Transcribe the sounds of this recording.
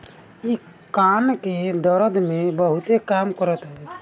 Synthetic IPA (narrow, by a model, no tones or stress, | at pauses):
i | kanked̪əɾəd̪mẽbəɦut̪ekamkəɾət̪ɦəe